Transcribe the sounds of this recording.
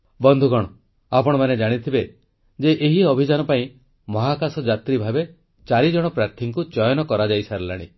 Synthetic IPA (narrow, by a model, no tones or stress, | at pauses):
bɔnd̪ʱuɡɔɽ̃ɔ | apɔɽ̃ɔmaned͡ʒaɽ̃it̪ʰibe | d͡ʒeʔeɦiɔbʱid͡ʒanɔpaĩ | mɔɦakasɔd͡ʒat̪ɾibʱabe | t͡ʃaɾid͡ʒɔɽ̃ɔpɾaɾt̪ʰiŋkut͡ʃɔjɔnɔkɔɾad͡ʒajsaɾelaɽ̃ḭ